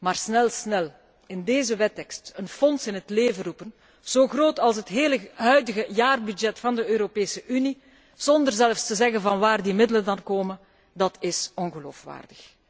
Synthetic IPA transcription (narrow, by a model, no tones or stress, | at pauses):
maːrsnɛlˠsnɛl | ɪndeːzəʋɛtɛkstənfɔnsɪnɦətleːvərupən | z̥oːɣroːtɑlˠs̬ɦətɦeːləɦœɥdəɣəjaːrbyd͡ʒɛtfɑndəøːɾopeːsəʔyni | z̥ɔndərzɛləfstəzɛɣənvɑnʋaːrdimɪdələndɑnkoːmən | dɑtʰɪsɔnɣəlo̰ːfʋa̰ːrdəx